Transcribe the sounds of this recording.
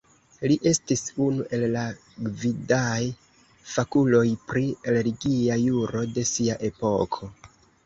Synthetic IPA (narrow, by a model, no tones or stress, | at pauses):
liʔe̞stisunuʔe̞lːa | ɡvidaj | fakulo̞jpɾieleliɡiajuɾo̞de̞siaʔe̞po̞kʰo̞